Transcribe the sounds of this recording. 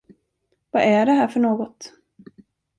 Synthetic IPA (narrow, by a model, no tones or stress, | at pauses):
vaʔæɖɛɦæːɾfœɳoːɡɔt̪